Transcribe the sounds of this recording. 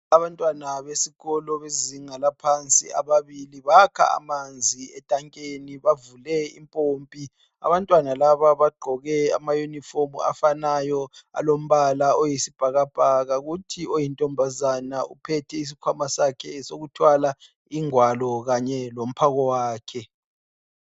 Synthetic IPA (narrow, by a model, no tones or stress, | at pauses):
aβantʼwanaβesiɣɔlɔβeziŋalapʰant͡sʼḭa̰βaβiliβakʰa̰a̰mand͡zʱiɛtʼaŋkʼeniβavulɛḭmpʼompʼi | a̰βantʼwanalaβaβaɡ͡ǃʱɔɣɛa̰majunifomṵa̰fanajɔa̰lom̩βalaojisib̥ʱaɣab̥ʱaɣaɣutʰiojintʼɔmbʱazanaṵpʰɛtʰɛis̬ikʰwamasakʰɛsoɣutʰwala | iŋwalɔɣaɲɛlom̩pʰaɣɔwaːkʰɛ